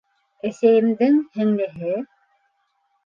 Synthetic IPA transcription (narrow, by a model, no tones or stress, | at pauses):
æsæjɘ̆md̪ɘŋhɘ̆ŋlɘ̆ɦɘ